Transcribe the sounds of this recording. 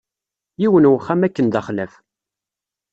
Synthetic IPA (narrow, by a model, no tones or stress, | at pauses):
jiwənwχæmækːənd̪æχlæf